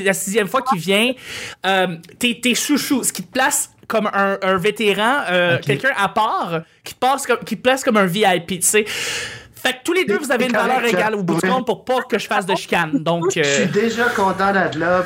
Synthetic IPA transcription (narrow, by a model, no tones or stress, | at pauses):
lasizjɛmfwakʲivjɛ̃œmt̪et̪esuʃusə̥kʲi̥t̪ə̥plaskɔmœ̃ə̃vet̪eʁɑ̃økʲɛlkʲœ̃ʔapɑːʁkʲi̥t̪əpɑːskɔmkʲit̪əplaskɔmɛ̃viajpise | fak̚t̪uled̪øvuzaveynvalœːʁeɡalubuɔ̃d̪̚pʊʁpɔkəʒəfasd̪əʃi̥kʲand̪ɔ̃køsid̪eʒʌkɔ̃t̪ɑ̃d̪adlɔ